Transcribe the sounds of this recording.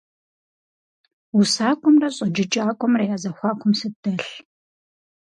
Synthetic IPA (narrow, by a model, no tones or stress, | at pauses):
usaːkʷʼɔmrɐɕʼɐd͡ʒɪt͡ʃʼaːkʷʼɔmrɐjaːzɐxʷɑːkʷʰʊmsɨdɐɬ